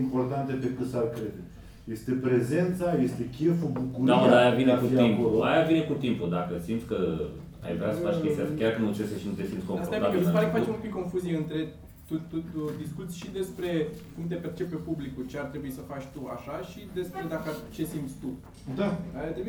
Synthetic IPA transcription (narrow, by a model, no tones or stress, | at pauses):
impo̞rt̪ant̪epekɨt̪sarkɾed̪e | je̞st̪e̞pɾeze̞nt̪saje̞st̪e̞kʲefubukuɾd̪aod̪aajavinekut̪impua̰javine̞kut̪impud̪akəsimt̪sʲkə | a̰jvɾasəfat͡ʃkʲest̪akʲaɾrkɨnut͡ʃeseʃinut̪esimt̪sko̞mfaoɾaaisəpaɾekəfat͡ʃemũmpikːo̞nfuzijeɨnt̪ɾe̞ | t̪uud̪iskut̪sʲʃid̪e̞spɾe̞kumt̪e̞pe̞rt͡ʃe̞pːepublikut͡ʃe̞art̪ɾe̞buisəfat͡ʃʲt̪ua̰ʃaʃid̪e̞spɾe̞d̪akət͡ʃe̞simt̪sʲt̪u | d̪aajat̪ɾebi